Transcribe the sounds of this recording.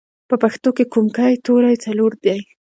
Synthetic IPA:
pəpaxt̪okekumkajt̪oɾajt͡saloɾd̪jaj

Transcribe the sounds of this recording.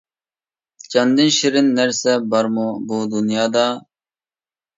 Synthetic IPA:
t͡ɕɐnd̪inɕiɾinːɐɾsɐbɐɾmubod̪unijaːd̪aː

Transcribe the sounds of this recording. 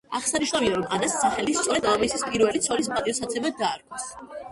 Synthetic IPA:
a̰ʁsaniʃnaviaɾɔmʔad̪asːaχɛlist̪sʼɔɾɛd̪alˠavisispʼiɾvɛlit̪sʰɔɾismpʼat̪ʼiɔsat̪sʰɛbad̪aːɾkʰʼɔs

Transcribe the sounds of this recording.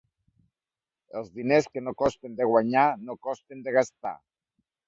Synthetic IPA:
elˠzðineskenokɔst̪end̪eɣwaɲanokɔst̪end̪eɣ̞ast̪a̰

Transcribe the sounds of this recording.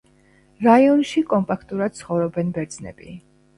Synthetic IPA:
ɾaiɔnʃikʼɔmpʼakʰt̪ʼuɾad̪̥̚tsʰχɔvɾɔbɛnbɛɾd̪znɛ̰bḭ

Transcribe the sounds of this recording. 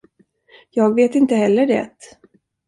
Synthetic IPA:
jɑːɡveːt̪ɪnt̪əhɛlːəɖɛ̰t̪

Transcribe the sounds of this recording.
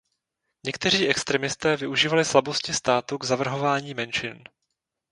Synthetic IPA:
ɲɛkt̪ɛr̝iːʔɛkst̪ɾɛmɪst̪ɛːvɪʔuʒiːvalɪslabo̞scɪst̪aːt̪uɡzavr̩ɦo̞vaːɲiːmɛnʃɪn

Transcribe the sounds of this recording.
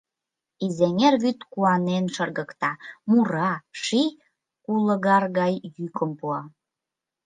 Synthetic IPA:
izeŋerβyt̪kuɑnenʃərɣəkt̪ɑmuɾɑʃi | kuləɣɑrɣɑjjykəmpuɑ

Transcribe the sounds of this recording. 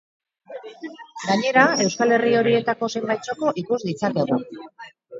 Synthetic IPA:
ɡaɲe̞ɾae̞wskale̞rio̞ɾie̞t̪ako̞se̞mbajt͡so̞ko̞ʔikuzd̪it͡sake̞ɣ̞u

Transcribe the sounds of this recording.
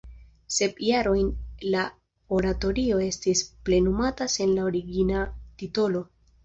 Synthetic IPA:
se̞bjaɾo̞jnla | o̞ɾato̞ɾio̞e̞stisple̞numatase̞nlaoɾiɡinatito̞lo̞

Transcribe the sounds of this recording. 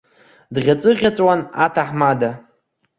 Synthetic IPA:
dʁʲat͡sʼɨʁʲat͡sʷʼwanatʰaħmada

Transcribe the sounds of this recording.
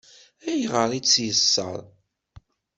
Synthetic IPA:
æjʁəɾˤit͡sːjəsːə̰ɾˤ

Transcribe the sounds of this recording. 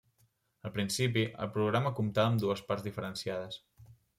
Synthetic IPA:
əlˠpɾinsipiʔə̰lˠpɾuɣ̞ɾaməkumt̪aəːmd̪uəspaɾzðifəɾənsiað̞əs

